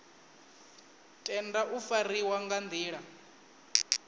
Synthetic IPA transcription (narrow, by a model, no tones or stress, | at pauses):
tʼɛndaʔufariwaŋɡand̪iːɺa